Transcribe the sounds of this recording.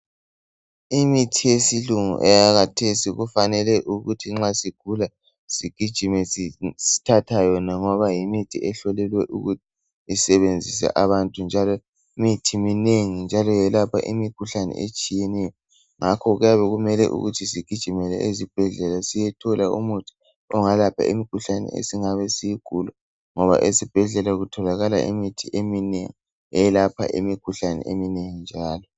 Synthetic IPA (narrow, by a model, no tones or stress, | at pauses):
imitʰijesiluŋṵʔɛjaɣatʰesiɣufanɛlɛʔuɣutʰiŋ͡ǁasiɡ̥ʱula | siɡ̥ʱid̥ʒ̥ʱimɛssi̥tʰatʰajɔnaŋɔβajimitʰiɛɬɔlɛlwɛʔṵɣutʰi̥ | isɛβend͡zʱisɛ̰ʔaβantʼund͡ʒʱalɔ | imitʰimineŋind͡ʒʱalɔjɛlapʰa̰ʔimikʰuɬanɛ̰ʔḛt͡ʃʼijɛnɛjɔ | ŋakʰɔɣujaβɛɣumɛlɛ̰ʔṵɣutʰisiɡ̥ʱid̥ʒ̥ʱimɛlɛʔezib̥ʱɛɮɛlasijɛtʰɔlaṵmutʰi̥ | ɔŋalapʰa̰ḭmikʰuɬanɛ̰ḛsiŋaβɛsijiɡ̥ʱulɔ | ŋɔβa̰ʔesib̥ʱɛɮɛlaɣutʰɔlaɣala̰ʔḭmitʰiʔeminḛŋi | ɛlapʰa̰ʔimikʰuɬanɛ̰ʔemineŋind͡ʒʱaːlɔ